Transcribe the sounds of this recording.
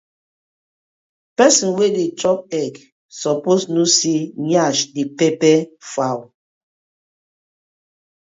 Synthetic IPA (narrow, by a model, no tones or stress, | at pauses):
pɛsĩnwedet͡ʃɔp̚ɛk | sɔposnusiɲaʃdepɛpɛfaw